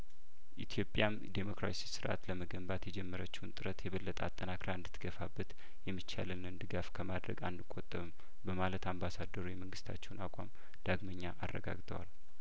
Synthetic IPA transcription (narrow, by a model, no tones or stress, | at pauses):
ʔit̪ʰjo̞pʼjam | d̪emo̞kɾa̰sisɨɾʔa̰t̪ləməɡəmbat̪jɛd͡ʒɛmːəɾət͡ʃːɛwnt̪ʼɨɾət̪jɛβəlːət̪ʼa̰t̪ʼːənakɾaɨnd̪ɨt̪ʰːɡ̥əfabːət̪ | jɛmːɨt͡ʃːa̰lɨlnɨnd̪ɨɡafkʰəmad̪ɾə̰ɡa̰nd̪ɨkʼːot̪ʼːəβɨm | bəmalət̪ambasad̪ːəɾujɛməŋɡɨst̪ʰa̰t͡ʃːɛwnakʷʼam | d̪̥aɡməɲːaʔarːə̰ɡa̰ɡt̪ʰəwa̰l